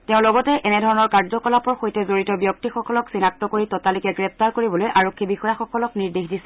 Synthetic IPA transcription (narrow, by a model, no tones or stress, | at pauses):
tɛʊ̃lɔɡɔtɛʔɛnɛdʱɔɹɔnɔɹkaɹzɔkɔlapɔɹxojtɛzoɹitɔbjɔk̚tixɔkɔlɔksinak̚tɔkoɹitɔtalikɛɡɹɛp̚taɹkoɹibɔlojʔaɹokʰːibixɔjaxɔkɔlɔkniɹdexdisɛ̥